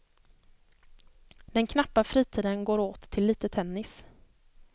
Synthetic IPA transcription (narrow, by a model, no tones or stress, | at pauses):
d̪̥ɛnkʰnapːafɾiːt̪ʰiːd̪ənɡoːɾoːt̪ʰːɪlːiːt̪ət̪ʰɛnːɪs